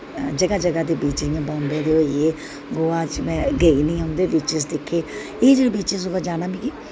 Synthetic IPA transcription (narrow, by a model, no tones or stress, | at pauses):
d͡ʒəɡaːd͡ʒəɡaːd̪eːbiːt͡ʃɾɪjãːbãːnd̪jãːd̪eːoieː | ɡoːaːt͡ʃmɛ̃ːɡəiːnĩːɦõːnd̪eːbiːt͡ʃɪs̬d̪eːkʰːeː | eːd͡ʒeːɽebiːt͡ʃɪsʊɡad͡ʒaːnãːbĩːki